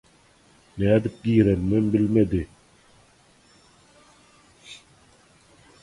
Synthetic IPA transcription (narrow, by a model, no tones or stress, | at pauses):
næːd̪ip̚ɡiːɾenmembɪlmed̪ɪ